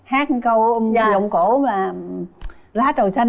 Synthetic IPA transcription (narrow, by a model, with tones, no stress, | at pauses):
haː˦˥k̚kə˧wza˧˩˨zə˨wŋ͡mko˧˩˦maː˨˩ | laː˨˦˥t͡ɕə˨˩sa˧